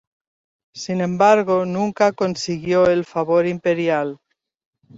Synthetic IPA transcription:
sinẽ̞mbaɾɣo̞nũŋkako̞nsiɣjo̞e̞lfaβo̞ɾimpe̞ɾjal

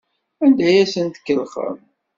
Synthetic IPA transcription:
ænd̪æjæsənt̪ə̥kːəlχə̰m

